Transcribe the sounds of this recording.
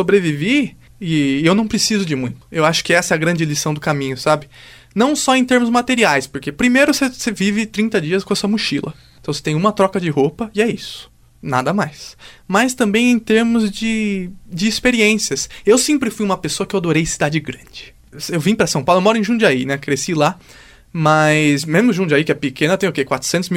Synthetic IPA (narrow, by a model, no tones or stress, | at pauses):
sobɾevive | ɪewnɐ̃w̃pɾesizʊd͡ʒɪmũj̃t̪ʊ̥ewaʃʊ̥kɪɛsɐɛɐɡɾɐ̃d͡ʒɪlisɐ̃w̃d̪ʊkamĩɲʊsabɪ | nɐ̃w̃sɔẽj̃t̪eɾmʊzmat̪eɾiajspoɾkepɾimejɾʊsesevivɪt̪ɾĩnt̪ɐd͡ʒiɐskõɐsuɐmuʃilʔɐ̰̃t̪ɐ̃w̃se̥t̪ẽj̃ũmɐt̪ɾɔkɐd͡ʒɪɦopɐɪɛisʊ̥ | na̰d̪ɐmajsmɐjst̪ɐ̃mbẽj̃ẽt̪eɾmʊzd͡ʒɪd͡ʒɪːspeɾiẽsiɐsewsẽmpɾɪfujũmɐpesoɐkɪewad̪oɾejsid̪ad͡ʒɪɡɾɐ̃d͡ʒɪ | sewvĩpɾɐsɐ̃w̃pawlewmɔɾʊẽʒũd͡ʒɪainɛkɾesila | mɐjzmezmʊʒũd͡ʒɪaikɪɛpɪkʰẽnɐt̪ẽj̃okekwat̪ɾʊ̥sẽnt̪ʊzmi